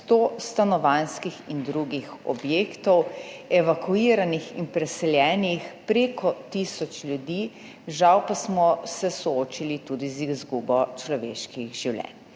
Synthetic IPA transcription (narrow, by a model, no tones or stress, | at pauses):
st̪ost̪anɔʋanskixind̪ɾuɡixɔ̰bjeːkt̪ɔwɛʋakuiɾanixḭnpɾɛsɛljɛːnixpɾeːkʰɔt̪isɔt͡ʃlʲjud̪iː | ʒawpasmɔsɛsɔoːt͡ʃilit̪uːd̪izizɡubɔt͡ʃlɔʋḛːʃkiɣʒiwlʲjɛ̰n